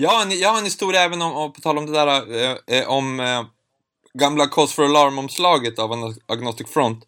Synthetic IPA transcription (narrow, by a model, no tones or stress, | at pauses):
jɑːaɾɛnjɑːhaɾɛnhɪst̪uːɾjaɛːvənɔmɔpʰɔ̥t̪ʰɑːlɔmd̪ɛd̪æːɾaʔɔm | ɡamlakʰɔstfɔɾalɑːɾmɔmslɑːɡət̪avɛnaɡnɔst̪ɪkfɾɔnt̪